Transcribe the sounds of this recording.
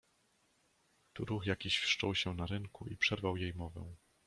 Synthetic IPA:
t̪uɾuxjakʲiɕfʂt͡ʂɔwɕɛnaɾɘŋkuʔipʂɛɾvawjejmɔvɛ̰̃

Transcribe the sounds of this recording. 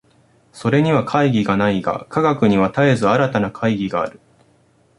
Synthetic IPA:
so̞ɾe̞ɲ̟iβakʰaiɡʲiɡanaiɡa̰kaɡakɯ̟ɲ̟iβat̪aezɨaɾat̪anakʰaiɡʲiɡa̰ːɾɯ̟

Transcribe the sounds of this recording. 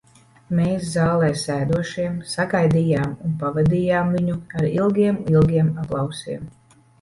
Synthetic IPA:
meːszaːlˠɛːsæːd̪uɔʃiɛmsaɡajd̪ijaːmunpavad̪iːjaːmviɲuaɾilˠɡʲiɛmilˠɡʲiɛmaplˠɑwsiɛm

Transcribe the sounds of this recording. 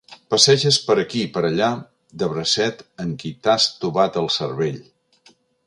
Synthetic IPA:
pəsɛʒəspəɾəkipəɾəʎa | d̪əβɾəsɛt̪əŋkit̪ast̪uβat̪əlˠsəɾβeʎ

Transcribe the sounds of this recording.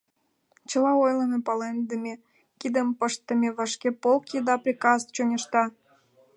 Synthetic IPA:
t͡ɕəlɑojlənepɑlend̪əmʲe | kid̪əmpəʃt̪ːə̆mʲeβəʃkepolkjid̪ɑprʲikɑst͡ɕonʲəʃt̪ɑ

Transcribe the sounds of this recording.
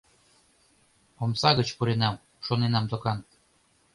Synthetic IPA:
omsɑɣət͡ɕpuɾenɑm | ʃonenɑmt̪okɑn

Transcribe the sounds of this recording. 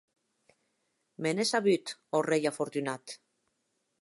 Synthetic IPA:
menesaβyt̪orejafoɾt̪ynat̪

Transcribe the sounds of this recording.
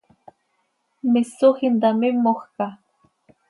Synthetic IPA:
mɪsʊhɪnd̪amɪmoχka

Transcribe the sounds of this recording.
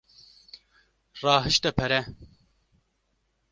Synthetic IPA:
rɑːɦɨʃt̪ɛpʰɛɾɛ

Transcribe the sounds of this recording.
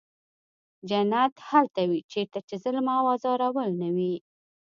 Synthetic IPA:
d͡ʒanat̪halt̪awit͡ʃeɾt̪at͡ʃezələmɑwɑzɑɾawəlnawi

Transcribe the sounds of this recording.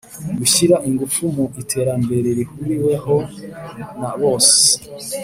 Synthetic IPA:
ɡuʃiɾaʔiŋɡufumuitʰe̞ɾambe̞ɾeɾihuɾiwe̞ho̞ | naβoːse̥

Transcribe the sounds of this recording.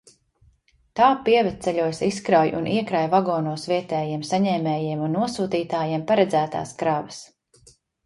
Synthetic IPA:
t̪aːpiɛvɛt̪sɛʎʲuɔjsiskɾawjʔṵnʔiɛkɾajvaɡɔːnuɔsviɛt̪ɛːjiɛmsaɲɛːmɛːjiɛmunːuɔsuːt̪iːt̪aːjiɛmpaɾɛd̪zæːt̪a̰ːskɾavɐs

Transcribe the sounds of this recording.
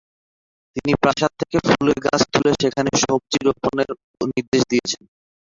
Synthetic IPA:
t̪inipɾaʃatt̪ʰːekefuleɡa̰t͡ɕʰt̪ʰuleʃekʰaneʃɔb̚t͡ɕiɾoponeɾ | niɾd̪eʃd̪iet͡ɕʰen

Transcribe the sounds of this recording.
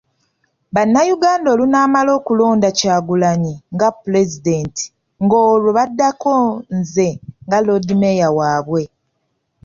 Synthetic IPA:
βanːajuɡaːndo̞ːlunaːmalo̞ːkulo̞ːndacaːɡulaɲiŋɡapule̞zide̞ːnti̥ | ŋɡoːloβadːakonze̞ŋɡalo̞dimejawaːβwe

